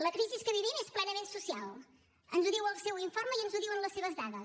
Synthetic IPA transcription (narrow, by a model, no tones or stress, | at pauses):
ləkɾiziskəβiβimesplɛnəmensusialˠ | ənzuðiwəlˠsɛwiɱforməjənzuðiwənləseβ̞əzðaðə